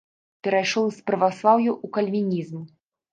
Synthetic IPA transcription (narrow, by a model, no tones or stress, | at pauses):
pʲɛɾajʂɔwspɾɐvaslˠawjuʔukɐlʲvʲinʲizm